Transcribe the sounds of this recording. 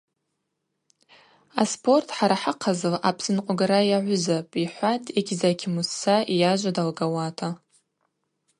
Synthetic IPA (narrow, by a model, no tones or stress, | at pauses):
aspʰo̞rtʰħaɾaħaqʰazɨla̰pʰsɨnqʷʼaɡaɾajaʕʷʊzapʼiħʷatʼʰeɡʲzakʲʰimusːaʔijaʒʷadalɡawatʰa